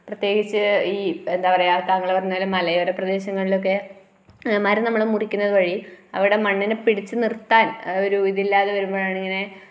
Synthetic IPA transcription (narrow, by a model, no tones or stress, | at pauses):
prɐt̪je̞ːɡit͡ɕːɨiːend̪aːpɐrejat̪aːŋːɐɭpɐrɐɲːaːlmɐlɐjoɾeprɐd̪e̞ːɕɐŋːɐɭilo̞k̬ːe̞ | maːɾɐnɐmːɐɭmurikʲːunːɐðɨʋɐɻiɐ̰ʋiɽe̞mɐɳːinɨpiɽit͡ɕːɨnirt̪ːaːnoɾuʋiðiilːaːðeʋɐɾumbo̞ːɭaːɳeŋːɐne̞